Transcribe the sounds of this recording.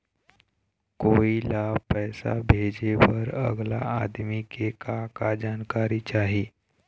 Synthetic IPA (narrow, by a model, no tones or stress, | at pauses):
koilapəjsa̰bʱed͡ʑeʋəɾə̰ɡla̰ːd̪mikekakad͡ʑankaɾit͡ɕaɦiː